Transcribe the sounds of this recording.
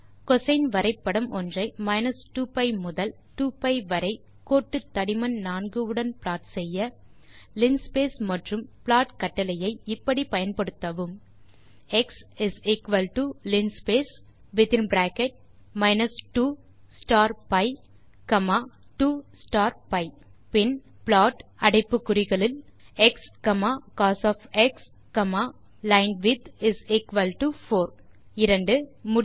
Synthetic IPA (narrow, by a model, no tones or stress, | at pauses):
kɔsɐɪnʋɐɾɐɪpːɐɽɐmʔɔndrɐɪmɐɪnɐsʈuːpɐɪmʊðɐl | ʈuːpɐɪʋɐɾɐɪ | koːʈːɯt̪ːɐɽɪmɐnnaːnɡɯɯɽɐnplaːʈsɛjːɐ | lɪnspeːsmɐʈrɯmplaːʈkɐʈːɐlɐjɐɪɪpːɐɽipɐjɐnpɐɽɯt̪ːɐʋɯm | ɛksɪsɪkʋɐlʈulɪnspeːs | ʋɪðɪ̃nbɾaːkɛʈ̚ | mɐɪnɐsʈuː | sʈaːɾpɐɪ | kɐmaːʈuːsʈaːɾpɐɪ | pɪn | pɭaːʈɐɽɐɪpːɯkːʊɾɪɣɐɭɪlɛkskɐmaːkaːsɔːfɛks | kɐmaː | lɐɪnʋɪd̪ɪsɪkʋɐlʈufoːɾɪɾɐɳɖɯmʊ